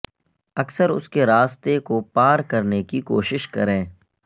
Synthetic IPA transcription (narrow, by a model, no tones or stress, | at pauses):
ɐksəɾʊ̰skeɾaːst̪ekopaːɾkɐɾnekiko̰ːʃɪʃkɐ̰ɾẽː